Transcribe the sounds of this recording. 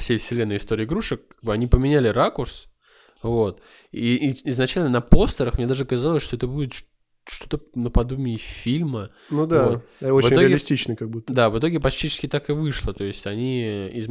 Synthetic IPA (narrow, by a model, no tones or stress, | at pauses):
fsʲejfsʲɪlʲenːəjɪst̪o̞ɾʲɪːɡɾuʂɨkːaɡ̚bɨɐnʲipəmʲɪnʲælʲɪrakʊrs | vo̞t̪ | iɪznɐt͡ɕælʲnənɐpo̞st̪əɾəxmʲe̞d̪aʐɨkɐzalˠəsʲʂt̪oɛt̪əbudʲɪt̪ʂ | ʂt̪o̞t̪ənəpɐd̪umʲɪfʲilʲmə | nud̪vaot̪ot͡ɕvɨtɪnʲoɾɪɐɪlʲɪsʲtʲit͡ɕnɨjkɐɡ̚but̪ːd̪avɨt̪̬o̞ɡʲɪpɐt͡ɕt̪ʲit͡ɕɪ̥skʲɪt̪akɨvɨʂlˠət̪o̞ɪsʲtʲɐnʲiɪz